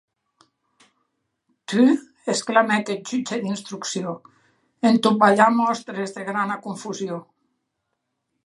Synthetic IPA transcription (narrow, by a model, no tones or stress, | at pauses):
t̪y | esklamɛked͡ʒyt͡ʃed̪inst̪ɾuksio | ent̪ubaʎamɔst̪ɾezðeɣɾanakuɱfuzjo